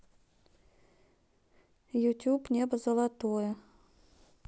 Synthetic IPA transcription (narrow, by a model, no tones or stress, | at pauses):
jut̪ʲupnʲebəzəlˠat̪ojə